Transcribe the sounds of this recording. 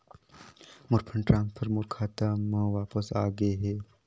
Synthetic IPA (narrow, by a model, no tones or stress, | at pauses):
mʊɾpʰəɳʈɾãːnspʰəɾmʊɾkʰaːt̪amãːʋaːpəsa̰ːɡəeɦɛː